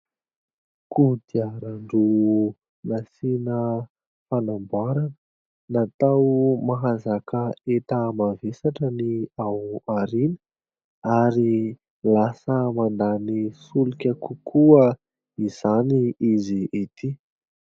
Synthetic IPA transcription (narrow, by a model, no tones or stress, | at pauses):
kud̪iaɾaɳɖ͡ʐu | nasinə | fanambaɾanə | nat̪awmaɦazakəet̪amavesaʈ͡ʂəniawaɾinə̥ | aɾi | lasəmand̪anisulukʲəkukʰuə | iz̥aniiziet̪i